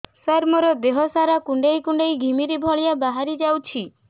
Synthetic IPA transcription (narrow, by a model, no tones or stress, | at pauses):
saɾmɔɾɔd̪eɦɔsaɾakuɳɖejkuɳɖejɡʱimiɾibʱɔɭijabaɦaɾid͡ʒawt͡ʃʰi